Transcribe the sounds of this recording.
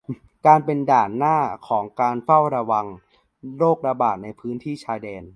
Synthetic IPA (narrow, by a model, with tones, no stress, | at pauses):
kaː˧npe˧ndaː˨˩nːaː˥˩kʰɔː˩˦ŋkaː˧nfa˥˩wɾa˧wa˧ŋ | ɾoː˥˩k̚ɾa˧baː˨˩t̪̚na˧jpʰɯː˦˥nt̪ʰiː˥˩t͡ɕʰaː˧jdɛː˧n